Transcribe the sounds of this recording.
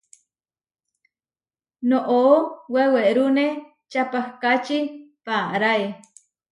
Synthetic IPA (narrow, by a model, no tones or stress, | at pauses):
noʔoweweʔɾune | t͡ʃapahkat͡ʃipaɾae